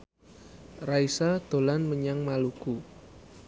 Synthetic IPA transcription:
raisad̪̥o̤lanməɲaŋmaluku

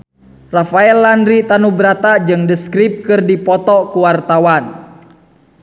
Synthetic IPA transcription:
rafaɛlːandɾit̪anubəɾat̪ad͡ʒɨŋdəskɾip̚kɨrdipɔt̪ɔkuwart̪awan

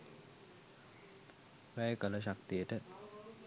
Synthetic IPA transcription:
ʋæjəkələʃ̬akt̪ijəʈə

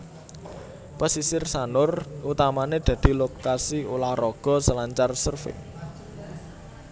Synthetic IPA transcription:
pasisɪrsanʊrʔut̪amaned̪̥ä̤d̪̥i̤lokasiulahɾɔɡ̥ɔ̤səlaɲt͡ʃarsərfɪ̰

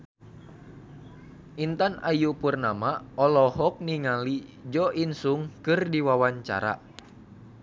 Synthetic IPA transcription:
ʔint̪anajupurnamaɔlɔɦɔk̚niŋalid͡ʒɔʔinsuŋkɨrdiwawaɲt͡ʃa̰ɾa̰

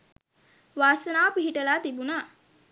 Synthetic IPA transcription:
ʋaːsənaːpiɦiʈəlaːt̪ibunaː

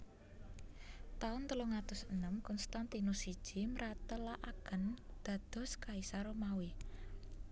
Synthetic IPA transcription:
t̪aʊnt̪əloŋat̪ʊsənəmkɔnst̪ant̪inusid̥ʒ̥i̤məɾat̪əlaʔaɡ̥ə̤nd̪̥a̤d̪̥ɔ̤skaisaɾomawi

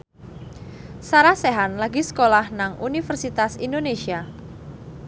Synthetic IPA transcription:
saɾaseɦanlaɡiskolahnaŋunifərsit̪asindonesia

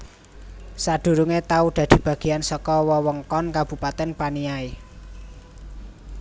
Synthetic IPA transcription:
saɖ̪̥ṳɾuŋet̪auɖ̪̥a̤d̪̥i̤b̥ä̤ɡ̥i̤jansɔkɔwɔwɔŋkɔnkab̥ṳpat̪ɛnpaniae

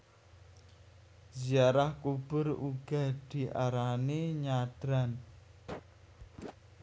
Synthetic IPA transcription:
ziaɾahkub̥ʊ̤ɾuɡ̥ad̪̥i̤ʔaɾaneɲad̪̥ɾan

